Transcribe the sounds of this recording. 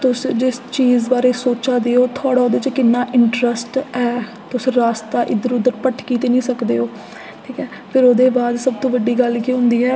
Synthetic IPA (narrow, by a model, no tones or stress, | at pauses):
t̪ʊsd͡ʒɪst͡ʃiːzbaːɾeːsoːt͡ʃaːd̪eːoːt̪ʰaːɽaːoːd̪eːt͡ʃəkɪnːaːʔɪɳʈɾəsʈɛː | t̪ʊsɾaːst̪aːʔɪd̪əɾʊd̪əɾpəʈʰkiːt̪eːnĩːsəkd̪eːoː | ʈʰiːkɛː | pʰɪɾoːd̪eːbaːd̪səb̚t̪õːʋəɖːiːɡəlkiːɦʊ̃nd̪iːɦɛː